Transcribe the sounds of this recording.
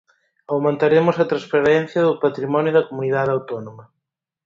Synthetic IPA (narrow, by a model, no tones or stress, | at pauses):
awmẽnt̪aɾemʊsɐt̪ɾɐspaɾɛn̟θjɐðʊpat̪ɾimɔnjoðɐkomuniðaðawt̪ɔnomɐ